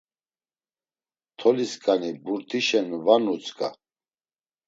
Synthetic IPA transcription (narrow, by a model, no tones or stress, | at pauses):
t̪ʰɔliskʼanibuɾt̪ʰiʃɛnvanut͡sʼkʼa̰